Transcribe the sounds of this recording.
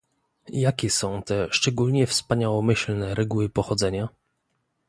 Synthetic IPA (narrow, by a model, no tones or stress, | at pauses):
jakʲɛsɔ̃w̃t̪ɛʂt͡ʂɛɡulɲɛfspaɲawɔmɘɕlnɛɾɛɡuwɘpɔxɔd̪zɛɲa